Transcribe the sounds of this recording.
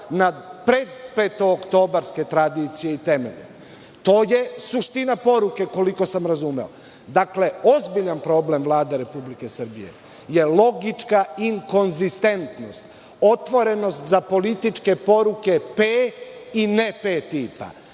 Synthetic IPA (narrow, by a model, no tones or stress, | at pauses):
napɾe̞d̪peːt̪ookt̪o̞ːbaɾske̞t̪ɾad̪iːt̪sijeit̪e̞mḛʎḛ | t̪o̞ːje̞suʃt̪inapo̞ɾuke̞ko̞liko̞samɾazumeo̰ | d̪akle̞o̞zbiʎanpɾo̞ble̞mvlˠaːd̪eɾe̞publike̞sr̩bḭje̞̰ | je̞lˠo̞ɡit͡ʃkaiŋko̞nzist̪e̞nt̪no̞st̪ | o̞t̪ʋo̞ɾe̞no̞st̪zapo̞lit̪it͡ʃke̞po̞ɾuke̞peinepet̪iːpa̰